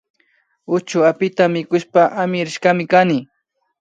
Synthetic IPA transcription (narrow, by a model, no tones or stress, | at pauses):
ʊt͡ʃʊapɪt̪amɪkʊʃpaʔamɪɾɪʃkamɪkanɪ